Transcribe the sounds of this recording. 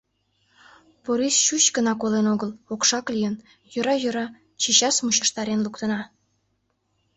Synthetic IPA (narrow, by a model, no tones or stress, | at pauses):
poɾisɕut͡ɕkənɑkolenoɣəlokʃɑklʲijən | jøɾɑjø̆ɾɑ | t͡ɕiɕɑsmuɕəʃt̪ɑɾenlukt̪ənɑ